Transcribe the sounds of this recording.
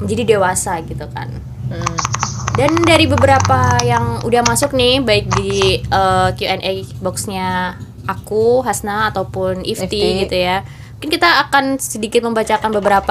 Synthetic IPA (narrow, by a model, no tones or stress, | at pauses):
məɲd͡ʒadidewasaɡit̪uka̰n | dandaɾibəbəɾapajaŋṵdahmasʊk̚nɪhbaɪk̚diʔəkjuɛnʔebɔksɲa | ʔakuɦasnaːt̪awpʊnift̪iɡit̪uja | muŋkɪnkit̪aːkanssədikɪt̪̚məmbat͡ʃakanbəbəɾap